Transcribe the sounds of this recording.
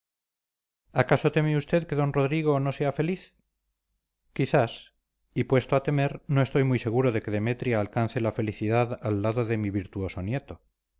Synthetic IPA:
akaso̞t̪e̞meust̪e̞ðkeðo̞nro̞ðɾiɣ̞o̞no̞se̞afe̞liθ | kiθas | ipwe̞st̪oat̪e̞me̞ɾno̞e̞st̪o̞jmujse̞ɣ̞uɾo̞ðe̞ke̞ðe̞met̪ɾjaːlkanθe̞lafe̞liθiðaðalːaðoðe̞miβiɾt̪uo̞sonje̞t̪o

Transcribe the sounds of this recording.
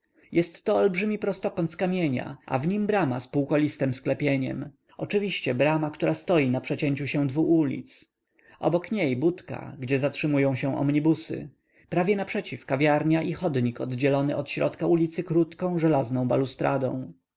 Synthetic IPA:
jʔɛst̪ːɔːlbʐɘmʲipɾɔst̪ɔkɔnt̪kamʲjeɲa̰a̰vɲimbɾamaspuwkɔlʲist̪ɛmsklɛpʲjeɲɛ̰m | ɔt͡ʂɘvʲiɕt͡ɕɛbɾamakt̪uɾast̪ɔjinapʂɛt͡ɕɛɲt͡ɕuɕɛ̃d̪vuʔulʲḭt̪s | ʔɔ̰bɔkɲejbut̪ka̰ɡd͡ʑɛzatʂɘmujɔ̃w̃ɕɛ̃ʔɔ̰mɲibusɘ̰ | pɾavʲjɛnapʂɛt͡ɕifkavʲjaɾɲaʔixɔd̪ɲikɔd̪d͡ʑɛlɔnɘʔɔt̪ɕɾɔ̰t̪kaulʲit̪sɘkɾut̪kɔ̃w̃ʐɛlaznɔ̃w̃balust̪ɾa̰d̪ɔ̰̃w̃

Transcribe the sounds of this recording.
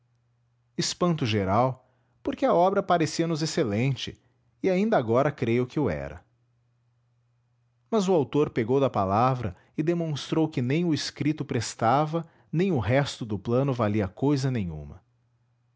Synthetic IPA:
ɪspɐ̃nt̪ʊʒeɾaw | poɾkɪɐɔbɾɐpaɾesiɐnʊzeselẽnt͡ʃɪ̰ | ɪaĩnd̪ɐaɡɔɾɐkɾejʊkɪʊɛ̰ɾɐ̰ | mɐzʊawt̪oɾpeɡowd̪ɐpalavɾɐ | ɪd̪emõst̪ɾowkɪnẽj̃ʊɪskɾit̪ʊpɾest̪avɐ | nẽj̃ʊɦɛst̪ʊd̪ʊplɐ̃nʊvaliɐkojzɐnẽj̃ṵ̃mɐ̰

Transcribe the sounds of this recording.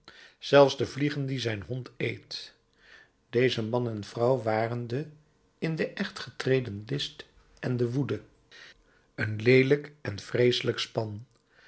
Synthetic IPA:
z̥ɛlˠfzdəvliχəndizɛjnɦɔntejt | d̥ejzəmɑnɛnv̥rɑwʋaːrəndə | ɪndəʔɛχtχətrejdənlɪst | ɛndəʋudə | ənlejləkɛnfrejsələkspɑn

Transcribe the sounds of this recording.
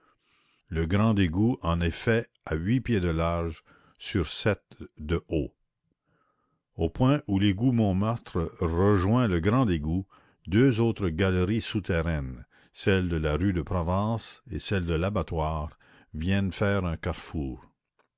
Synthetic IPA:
ləɡʁɑ̃d̪eɡuɑ̃nɛfɛ | aɥipjed̪əlaʁʒ | syʁsɛt̪d̪əʔo | opwɛ̃ʔuleɡumɔ̃maʁt̪ʁəʁəʒwɛ̃ləɡʁɑ̃d̪eɡu | d̪øzoːt̪ʁəɡalʁisut̪ʰɛʁɛn | sɛld̪əlaʁyd̪əpɾɔvɑ̃ːsḛsɛld̪əlabat̪waːʁ | vjɛnfɛːʁɛ̃kaʁfuːʁ

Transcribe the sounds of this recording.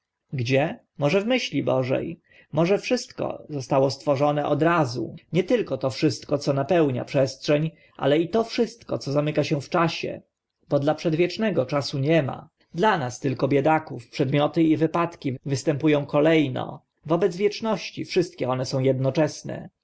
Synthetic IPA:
ɡd͡ʑɛ | mɔʐɛvmɘɕlʲibɔʐɛ̰j | mɔʐɛfʂɘst̪kɔ̰zɔst̪awɔst̪fɔʐɔnɛʔɔd̪ɾazṵɲɛt̪ɘlkɔt̪ɔfʂɘst̪kɔt̪sɔnapɛwɲa̰pʂɛstʂɛɲ | ʔa̰lɛit̪ɔfʂɘst̪kɔt̪sɔzamɘkaɕɛ̃ft͡ʂaɕɛ̰ | bɔd̪lapʂɛd̪vʲjɛt͡ʂnɛɡɔt͡ʂasuɲɛma̰ | d̪lanast̪ɘlkɔbʲjɛd̪akufpʂɛd̪mʲjɔt̪ɘivɘpat̪kʲivɘst̪ɛmpujɔ̃w̃kɔlɛjnɔ̰ | vɔbɛd̪zvʲjɛt͡ʂnɔɕt͡ɕifʂɘst̪kʲɛɔnɛsɔ̃w̃jɛd̪nɔt͡ʂɛsnɛ̰

